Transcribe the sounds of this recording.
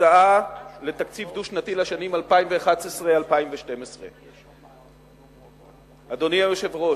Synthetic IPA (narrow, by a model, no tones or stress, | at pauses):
aale̞t̪akt͡sivd̪uʃnat̪ilaʃanimalpaimveːχatesʁealpaimveʃte̞mesʁḛ | ad̪o̞niajoʃevʁo